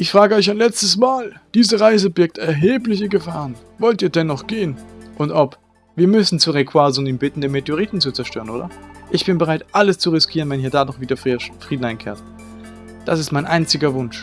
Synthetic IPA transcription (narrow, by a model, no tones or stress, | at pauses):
ʔɪçfʁ̥aːɡəɔʏçaɪnlɛt͡stəsmaːld̥iːzəʁaɪzəbɪɐk̚tɛɐɦeːplɪçəɡəfaːʁən | vɔltiːɐdɛnːɔχɡ̥eːənʔʊntɔp | v̥iːɐmʏsn̩t͡suːʁekʰwazʊniːmbɪtn̩deːnmeteʊʁ̞iːtn̩t͡sut͡sɛɐʃtøːʁənʔoːdɐʔɪçb̥ɪnbəʁaɪtʔaləst͡suʁɪskʰiːʁ̞ənvɛnhiːɐdaːdɔχv̥iːdɐfʁ̥iːdn̩aɪnkʰeːɐt | d̥asɪstmaɪnʔaɪnt͡sɪɡɐvʊnʃ